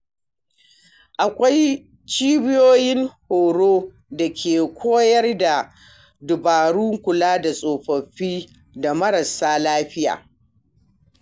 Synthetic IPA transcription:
ʔa˨kʷa˦j | t͡ʃiː˦bɪ˦joː˦jɪ˦ŋhoː˨ɽoː˦ | da˨kʲʰeː˨kʷʰoː˦jɐ˦rda˨ | dʊ˨baː˨ɽu˦ŋkʷʊ˨laː˦da˨sʼoː˨ɸɐ˨ɸiː˦ | da˨mɐ˦ɾɐ˨saː˦laː˦ɸɪ˦ja̰ː˨

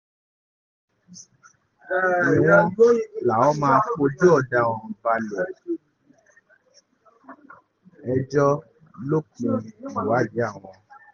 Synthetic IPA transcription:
w̃ɔ̃˧˦˨la˨ɔ˦mãː˧fo˧d͡ʒo˦ɔ˦˨da˧˨w̃ɔ̃˨ba˧lo˨ | ɛ˧d͡ʒɔ˦ | lo˦kũ˧i˨wa˨˦d͡ʒe˨˦a˦˨w̃ɔ̃˧

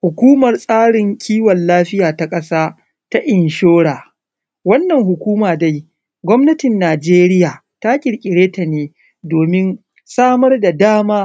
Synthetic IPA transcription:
hʊ˨kʷuː˦mɐ˨rsʼaː˦ɽɪ˨ŋkʲʰiː˦wɐ˨nlaː˦ɸɪ˦jaː˨ta˨kʼɐ˦saː˦ | ta˦ʔɪ˨nʃoː˦ɽaː˨ | wɐ˦nːɐ˨ŋɦʊ˨kʷuː˦maː˨da˦j | ɡʷɔ˦mnɐ˦tɪ˨nːaː˨d͡ʒeː˦ɾɪ˦jaː˨ | ta˦kʲʼɪ˨ɽkʲʼɪ˨ɽeː˦ta˨neː˨ | doː˨mɪ˦n | saː˦mɐ˦rda˨daː˦maː˦

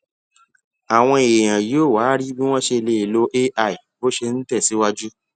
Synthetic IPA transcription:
a˨w̃ɔ̃˧e˨e˨j̃ã˨jo˨˦˨waː˨˦ɾi˦bi˦w̃ɔ̃˦ʃe˧le˧i˨lo˦ʔe˦ʔa˦˨i˨bo˦ʃe˧n̩˦tɛ˦˨si˨˦wa˦d͡ʒu˦

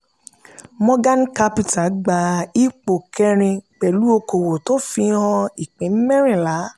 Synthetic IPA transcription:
mɔ̃˦ɡa˦n˦ka˦pi˦˨ta˨ɡ͡ba˧i˦k͡po˨kʰɛ˧ɾ̃ĩ˧k͡pɛ˨lu˦o˧ko˨wo˨to˦fi˧˦hɔ̃˧i˨k͡pĩ˨˦mɛ˦ɾ̃ĩ˦˨la˨˦

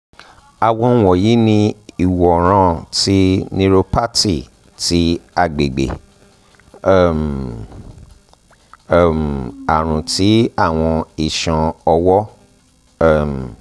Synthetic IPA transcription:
a˨wɔ̃˧˦˨wɔ̃˨ji˨˦nĩ˧i˨wɔ˨ɾ̃ã˧˦ti˦nĩ˧ɾo˧pa˦ti˦˨ | ti˦a˧ɡ͡be˨ɡ͡bḛ˨˦˨ | m˦˨ | m˨a˨ɾ̃ũ˨ti˨˦a˦˨w̃ɔ̃˧i˨ʃã˨ɔ˧wɔ˦˨ | m˨

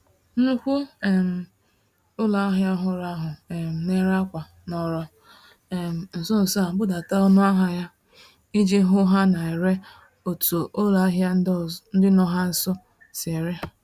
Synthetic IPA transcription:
n̩˦kʷu˦e˨m̩˨ | ʊ˦la˨˦ɦja˦ɦʊ˨ɾa˦ɦʊ˨e˨m̩˨ne˦ɾa˦kʷa˨ | nɔ˨ɾɔ˦ | e˨m̩˨n̩˨sʊ˦n̩˨sa˦˨m̩˦bʊ˦da˨ta˦o˦nʊ˦a˦ɦa˦ja˦ | i˦d͡ʒe˦ɦʊ˦ɦa˦na˨e˨ɾe˦ | o˨to˨ʔo˦la˨˦ɦja˦n̩˦dɪ˦nɔ˨ɦa˦n̩˨sɔ˦ | sɪ˨e˨ɾe˦˨

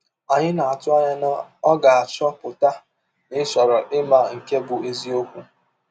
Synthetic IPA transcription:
a˨ɲɪ˦na˨a˨tʊ˦a˦ɲɪ˦n˦ɔ˦ɡa˨a˨t͡ʃɔ˦pʊ˨ta˦ | nɪ˦sɔ˨ɾɔ˨ʔɪ˦ma˨ŋ̩˨ke˦bʊ˨e˦zi˦o˦kʷu˦

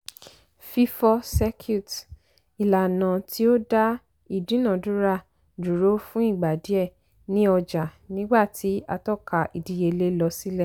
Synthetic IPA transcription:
fi˦fɔ˧sɛ˧kʰju˦˨t | i˨la˨nã˨ti˦o˦da˦ | i˦˨dũ˨˦nã˨du˨˦ɾa˦ | du˨ɾo˨˦fũ˦i˦˨ɡ͡ba˨di˨˦ɛ˦˨ | nĩ˦ɔ˧d͡ʒa˨nĩ˦ɡ͡ba˦˨tʰi˨˦a˧tɔ˦˨ka˨i˨di˧je˧le˦lɔ˧si˦lɛ˦˨

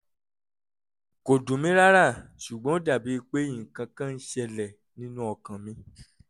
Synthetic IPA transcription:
ko˨dũ˨mĩ˦ɾa˦ɾa˦˨ʃu˨ɡ͡bɔ̃˨˦o˦da˦˨bi˨˦i˧k͡pe˦jĩ˨ŋ̩˨kã˧kã˦n̩˦ʃɛ˧lɛ˨ | nĩ˦nũ˦ɔ˧kã˨mĩ˧˦

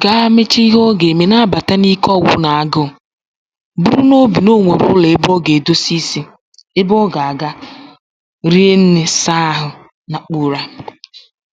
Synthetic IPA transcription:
ɡa˦a˦me˦t͡ʃe˦i˦ɦo˦ɡe˨me˨na˦a˦ba˨ta˦ni˦kɔ˦˨wʊ̰˦na˨a˨ɡʊ˦˨ | bu˦ɾu˦no˦bi˨no˦ŋʷe˨ɾʊ̰˦le˨e˦bɔ˦ɡe˨do˦si˦si˦ | ɪ˦bɔ˦ɡa˨a˨ɡa˦ | ɾi˦e˦n̩˦ne˦sa˦ɦʊ˨ | na˨k͡puː˦˨ɾa˦

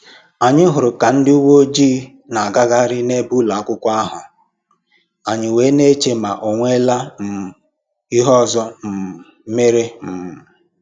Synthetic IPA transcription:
a˨ɲɪ˦ɦʊ˨ɾʊ˨ka˨n̩˦dɪ˦u˦wo˦o˦d͡ʒiː˦ | na˨a˨ɡa˦ɡa˦ɾɪ˦ne˦bu˦la˨a˦kʷʊ˦kʷa˦ɦʊ˨ | a˨ɲɪ˨we˨˦ne˦t͡ʃe˦ma˨ʔo˨ŋʷe˦la˦m̩˨ | i˦ɦɔ˦˨zɔ˦m̩˨˦me˦ɾe˦m̩˨m˨

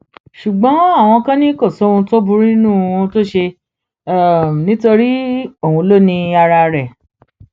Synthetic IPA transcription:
ʃu˨ɡ͡bɔ̃˨˦a˦˨w̃ɔ̃˧kã˦nĩ˦kɔ˦˨so˦ũ˧to˦bu˧ɾĩ˦nũ˦˨wɔ̃˧˦to˦ʃe˧˦˨ | nĩ˨˦to˧ɾi˦o˦˨ũ˧˦lo˦nĩ˧a˧ɾa˧ɾɛ˨

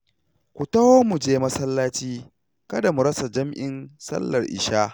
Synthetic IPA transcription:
kʷu˨tɐ˦hoː˦mu˨d͡ʒeː˦mɐ˦sɐ˦lːaː˦t͡ʃiː˦ | kɐ˦da˨mu˨ɾɐ˦sa˨d͡ʒɐ˦mʔɪ˨nsɐ̰˦lːɐ˨rʔɪ̰˨ʃaː˦

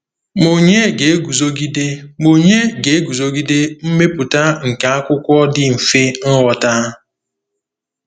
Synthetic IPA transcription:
mo˨ɲe˦ɡe˨e˦ɡu˨zo˦ɡi˦de˦mo˨ɲe˦ɡe˨e˦ɡu˨zo˦ɡi˦de˦m̩˦me˦pʊ˨ta˦ŋ̩˨ka˨a˦kʷʊ˦kʷɔ˦dɪ˦m̩˨fe˦n̩˦wɔ˨ta˦

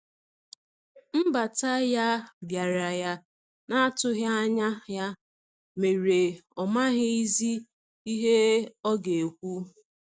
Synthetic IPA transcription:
m̩˦ba˨ta˦ja˦bja˨ɾa˨ja˦ | na˦a˦tʊ˦ɦja˦a˦ɲa˦ɦja˦ | me˨ɾe˨ɔ˨ma˦ɦɪ˦i˦zi˦ | i˦ɦe˦ɔ˦ɡe˨kʷu˦

